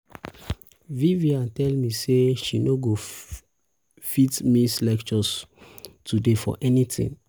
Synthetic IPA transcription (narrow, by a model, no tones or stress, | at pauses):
viviãntɛlmiseʃinoɡo | fitmislɛkt͡ʃɔs | tʰudefɔ̰ʔɛnitḭ̃ŋ